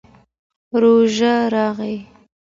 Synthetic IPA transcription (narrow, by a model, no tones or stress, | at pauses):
ɾoʒaɾɑɣej